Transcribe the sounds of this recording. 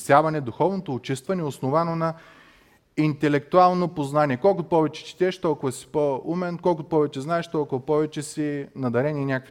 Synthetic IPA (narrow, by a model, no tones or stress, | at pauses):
sjavɐnɛd̪ʊxɔvnot̪oːt͡ʃist̪vɐnɛosnovanonɐ | int̪ɛlɛk̚t̪ualˠnopoznaniɛkɔlˠkʊpɔvɛt͡ʃɛ̥t͡ʃi̥t̪ʲɛʃt̪ɔlˠkʊvɐsi̥poumɛnkɔlˠkʊpɔvɛt͡ʃɛznaɛʃt̪ɔlˠkʊvɐpɔvɛt͡ʃɛsinɐd̪ɐɾɛnʲiːnʲakv